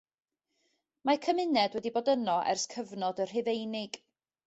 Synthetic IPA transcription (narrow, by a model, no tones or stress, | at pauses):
makʰəmɪnɛdwɛdiboːdənɔʔɛ̰rskʰəvnɔdər̥ɪvejnɪɡ̥